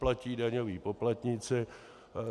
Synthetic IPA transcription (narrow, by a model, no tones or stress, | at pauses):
placiːdaɲoviːpoplat̪ɲɪt͡sɪ